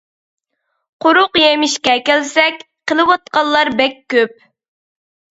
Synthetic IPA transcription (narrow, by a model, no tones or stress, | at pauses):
qʰʊɾʊqjemɪʃkʲɛkʲælsɛkʲ | qəlˠɨwɑt̪̚qɑlˠːɑɾbɛkʲʰːøp̚